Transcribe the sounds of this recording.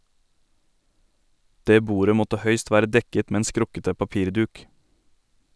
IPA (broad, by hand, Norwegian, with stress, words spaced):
ˈdeː ˈbuːɾə ˈmɔtə ˈhœʏst ˈʋæːɾə ˈdɛkət ˈmeː ˈeːn ˈskɾʊkətə pɑˈpiːɾˌdʉːk